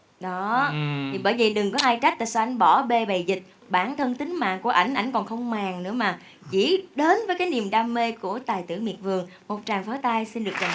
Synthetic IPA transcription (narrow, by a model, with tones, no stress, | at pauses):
ɗɔ˨˦t̪ʰi˨˩ɓəː˧˩jvi˨˩ɗɨ˨˩ŋkɔ˨˦ʔaː˧jt͡ɕa˦˥k̟̚laː˨˩sɔ˧ʔa˧˩jŋ̟ɓɔ˧˩ɓe˧ɓə˨˩jzï˨˩k̟̚ | ɓaː˧˩nt̪ʰə˧nt̪ï˨˦ŋ̟ma̰ː˧˨ŋku˧˩əʔa˧˩jŋ̟ʔa̰˧˩jŋ̟kɔ˨˩nxə˧wŋ͡mmaː˨˩ŋnɨ̰˧˥əmaː˨˩ | t͡ɕḭ˧˥ɗe˨˦nvəː˨˦jkaː˨˦jni˨˩əmɗaː˧me˧ku˧˩ət̪aː˨˩jt̪ɨ̰˧˩əŋ͡mmḭ˨˩ət̚vɨ˨˩əŋ | mo˨˩t̚t͡ɕaː˨˩ŋfɔ˨˦t̪aː˧jsi˧nɗɨ˨˩ək̚za˨˩